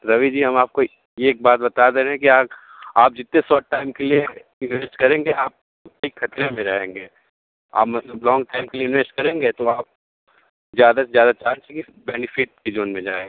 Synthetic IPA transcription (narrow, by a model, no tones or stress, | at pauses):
ɾɐʋid͡ʒiːɦɐmaːp̚ko | jeːk̚baːt̪̚bɐt̪aːd̪eeɦɛ̃kiaːk | aːp̚d͡ʒɪt̪nẽsɔːʈ̚ʈːaːɪmkelie | ɪnʋeːsʈkɐɾẽːŋɡeaːp̚ | ʊt̪ikxɐt̪ɾemẽɾɐɦẽːŋɡeː | a̰ːpmɐt̪ləblɔ̃ːŋɡʈaːɪmkelieɪnʋeːsʈkɐɾẽːŋɡeːt̪oaːp̚ | zjaːd̪asezjaːd̪at͡ʃaːɾt͡ʃʰɛ̃ki | bɛːnɪfɪʈ̚kid͡ʒoːnmẽd͡ʒa̰ːe